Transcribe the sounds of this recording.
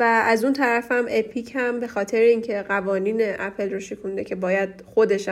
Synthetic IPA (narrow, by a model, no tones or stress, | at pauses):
vææzunt̪ʰæɾæfæmepʰicʰhæmbe̞xɒːt̪ʰeɾeiːŋcʰe̞ɢævɒːniːneʔæpʰelɾoʃekʰund̪e̞̰cʰe̞bɒːjæd̪̥xod̪e̞ʃ